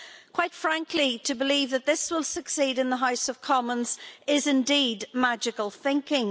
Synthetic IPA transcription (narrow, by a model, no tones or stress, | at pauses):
kʰw̥aɪtfɹãŋkʰlitʰəbɪliːvðət̪̚ðɪswɪlˠsəksiːdɪ̃nðəɦaʊsəv̥kʰɒmə̃nz̥ɪzɪ̃ndiːdmad͡ʒɪkəlˠθɪ̃ŋkɪ̃ŋ